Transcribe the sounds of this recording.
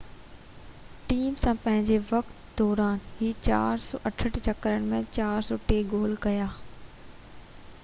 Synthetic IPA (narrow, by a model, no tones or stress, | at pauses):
ʈiːmsãpɐ̃ɦɪ̃ɲd͡ʑeʋɐkt̪d̪ɔːɾaːnɦiːt͡ɕa̰ːɾsɔ̰ːʔɐʈʰəʈʰt͡ɕɐkɾəɽ̃mẽt͡ɕaːɾsɔːʈeːɡoːlkɐjaː